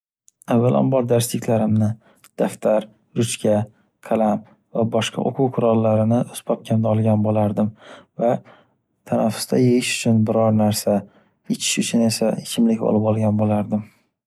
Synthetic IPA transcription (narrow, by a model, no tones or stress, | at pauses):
avːalʔa̰nbɒɾd̪aɾst̪ɪkʲʰlaɾɪmnɪ | d̪̥aft̪ʰaɾ | ɾʊt͡ʃkʲʰa | kʰalam | vabɒʃqʰɑ̰ʔo̰qʰʊwqʰʊɾɒlːaɾɪnɪʔospʰɒp̚kʲʰand̪aɒlˠɡʲanbolaɾd̪ɪmva | t̪ʰanafːʊ̥st̪ʰa̰jeɡɪʃʊ̥t͡ʃʰʊnbɪɾɒɾnaɾsa | et͡ʃʰɪ̥ʃʊt͡ʃʰʊne̞saekʲʰɪmlɪkʲɒ̰lɪpɒlˠɡʲanbolaɾd̪ɪm